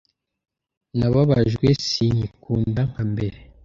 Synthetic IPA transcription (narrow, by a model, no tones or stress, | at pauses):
naβaβaʒɡwesiɲikuːndaŋ̥hambe̞ɾe